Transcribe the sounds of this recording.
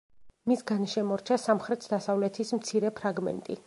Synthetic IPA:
misɡanʃɛmɔɾt͡ʃʰasamχɾɛt̪ʰd̪asavlɛt̪ʰismt̪sʰiɾɛpʰɾaɡmɛ̰nt̪ʼḭ

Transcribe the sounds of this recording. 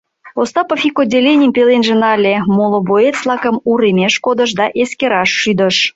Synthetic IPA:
ost̪ɑpəfʲikodʲːelʲenʲiəmpelenʒenɑlʲemolˠoboet̪flˠɑkə̆muɾemʲeʃkod̪ə̆ʃ̬d̪ɑʔeskʲeɾɑʃːyd̪ə̆ʃ

